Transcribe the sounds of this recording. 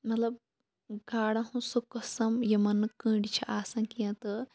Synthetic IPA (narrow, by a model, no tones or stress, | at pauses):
mɐt̪lɐb̚ | ɡaːɽɐ̃ɦũsukɐsɐmjɐmɐnːɨkə̃ːɳɖit͡ʃʰiʔaːsɐ̃ːkijɐ̃t̪ɨ